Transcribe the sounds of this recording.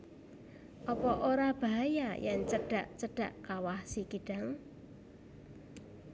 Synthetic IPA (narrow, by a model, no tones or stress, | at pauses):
ʔɔpɔʔoɾab̥a̤ɦajajaŋt͡ʃəɖ̥a̤ʔt͡ʃəɖ̥a̤ʔkawahsikiɖ̥a̤ŋ